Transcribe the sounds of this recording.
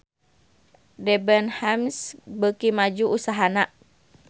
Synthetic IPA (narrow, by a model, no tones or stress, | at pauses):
dɛbənhamsbəkimad͡ʒuusaɦanaʔ